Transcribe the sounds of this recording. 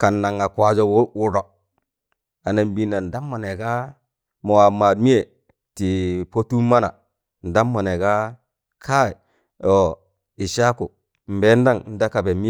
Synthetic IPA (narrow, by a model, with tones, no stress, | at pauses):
ka˨nːa˨ŋa˨kʷa˨d͡ʒo˨wwu˨ɾo˨ | a˨na˨mbi˦˨na˨n̩˨da˦mːo˨ne˨ka˦ | mo˨wa˨ma˨dmi˦je˨ | ti˨po˦tu˦ma˦na˨ | n̩˨da˦mːo˨ne˨ka˦ | kʰa˦i˨ | o˨ | i˨ʃa˦ku˨ | m̩˨be˦n˦da˦˨ŋn̩˦da˦ka˨be˨mi˦